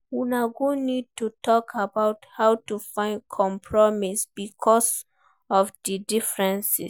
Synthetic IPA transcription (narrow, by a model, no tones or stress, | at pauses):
unaɡunid̚tutɔkʰabaʊthawtufãɪ̃nkʰɔ̃mpʰɹɔmisbikʰɔs | ɔvdidifɹɛ̃nsḭ